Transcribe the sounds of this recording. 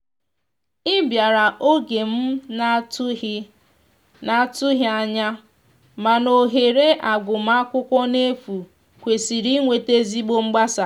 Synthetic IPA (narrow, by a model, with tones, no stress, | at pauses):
ɪ˦bja˨ɾa˨ʔo˦ɡe˨m̩˦ | na˨tʊ˦ɦa˦ɲa˦ | ma˨no˨ɦe˨ɾe˦ʔa˨ɡʷʊ˨m̩˦a˦kʷʊ˦kʷɔ˦ne˦fu˨ | kʷe˨si˨ɾi˦ŋʷe˨te˦zi˦ɡ͡bo˦ŋ͡m̩˦ɡ͡ba˦sa˨